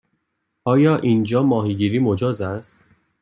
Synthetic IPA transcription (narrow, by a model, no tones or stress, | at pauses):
ɒːjɒːʔind͡ʒɒːmɒːɦiːɟiːɾiːmod͡ʒɒːzæst̪